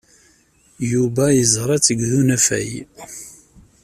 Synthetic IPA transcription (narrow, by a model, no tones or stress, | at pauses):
jubæjəzˤɾˤɑt͡sːəɡðunæfæ̰j